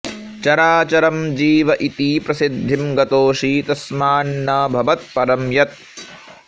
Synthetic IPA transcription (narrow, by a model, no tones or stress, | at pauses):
t͡ʃɐɾaːt͡ʃɐɾɐmd͡ʒiːʋɐʔit̪iːpɾɐsid̪ʱːimɡɐt̪oːʂiːt̪ɐsmaːnːɐbʱɐʋɐt̪̚pɐɾɐmjɐt̪̚